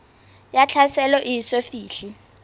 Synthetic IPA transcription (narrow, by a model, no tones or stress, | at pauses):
jat͡ɬʰasɛlɔʔisefiːɬi